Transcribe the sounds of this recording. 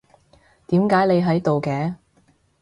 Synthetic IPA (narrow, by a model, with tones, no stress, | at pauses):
t̪iː˨˥mkaː˨˥jle˨˧jɦɐ˨˥jt̪o˨wkɛː˨˧˥